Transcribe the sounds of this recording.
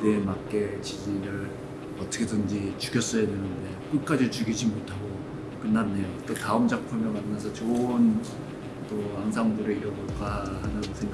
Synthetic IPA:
demak͈e̞t͡ɕid͡ʑiɾɯɭ | ʌtʰʌkʰe̞dɯnd͡ʑit͡ɕukjʰʌs͈ʌjadwenɯnde̞k͈ɯk͈ad͡ʑit͡ɕuɡid͡ʑimotʰaɡo | kɯnːanːe̞jot͈otaɯmd͡ʑak̚pʰuɭmʌmanːas̬ʰʌt͡ɕon | t͈oaŋs̬ʰaŋbuɾeiɾʌboɭk͈ahanɯnsʰeŋɡ

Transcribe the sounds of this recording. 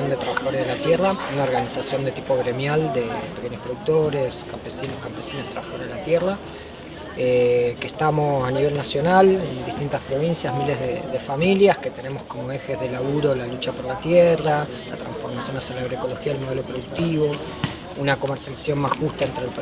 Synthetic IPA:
ond̪e̞t̪ɾaβaxaðo̞ɾaðelat̪jeraunao̞ɾɣanisasjo̞nd̪e̞t̪ipo̞ɣɾe̞mjald̪e̞peke̞ɲohpɾo̞ðuk̚t̪o̞ɾe̞skampe̞sinohkampesinḁt̪ɾaβaxaðo̞ɾeðelat̪jera | ekehst̪amo̞saniβ̞e̞lnasjo̞nalend̪it̪int̪aspɾo̞βinsjazmile̞zðeðe̞familjaske̞t̪e̞ne̞mosko̞mo̞e̞xe̞zðelaβuɾo̞lalut͡ʃapoɾlat̪jera | la̰t̪ɾa̰ɱsfo̞ɾmasjo̞nasjalaβɾeko̞lo̞xiaelmo̞ð̞elopɾoðuk̚t̪iβo̞ | unako̞meɾsjaliasjo̞mmasxust̪aent̪ɾelp

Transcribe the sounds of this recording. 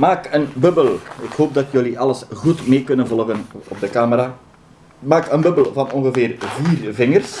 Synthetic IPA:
maːkənbɵbəlɪkhoːp̚dɑtjøliʔɑləsɣutmeːkɵnənvɔlˠɣənɔb̚dəkaːməɾaː | maːkənbɵbəlvɑnɔŋɣəvɪːrviːrvɪŋərs

